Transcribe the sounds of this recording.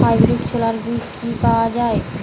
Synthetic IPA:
ajbɾikt͡ɕʰolaɾbiskipaoad͡ʑae

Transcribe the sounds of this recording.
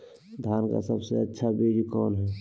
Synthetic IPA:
d̪ʱjaːnka̰səbseətːʃʰabeːd͡ʒikɔːnɦɛː

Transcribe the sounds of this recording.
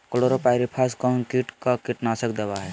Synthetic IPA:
koloɾopajɾipʰaskɔnkiʈkakiʈnasək̚d̪ebaɦɛ

